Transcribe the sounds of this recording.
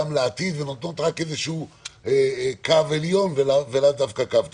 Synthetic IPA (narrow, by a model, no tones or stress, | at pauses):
amleat̪id̪venat̪no̞t̪ʁake̞zeʃuuekaveljo̞nvelavelad̪afkakav